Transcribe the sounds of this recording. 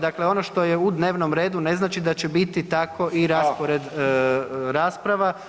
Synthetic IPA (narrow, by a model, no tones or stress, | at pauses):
d̪akleo̞no̞ʃt̪o̞jeud̪ne̞ːʋno̞mɾe̞ːd̪une̞znaːt͡ʃid̪at͡ɕebit̪it̪akʰo̞ʔiɾaspoɾed̪ | ɾaːspɾaʋa